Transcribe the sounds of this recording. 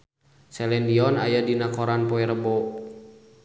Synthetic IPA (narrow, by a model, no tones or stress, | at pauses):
sɛlɛndiɔna̰jadinakɔɾanpɔɛɾəbɔ